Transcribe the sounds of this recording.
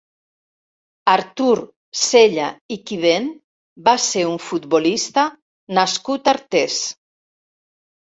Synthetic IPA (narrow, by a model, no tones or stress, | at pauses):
aɾt̪uɾ | seʎaikiðen | baseɾuɱfut̪bolist̪a | naskut̪aɾt̪es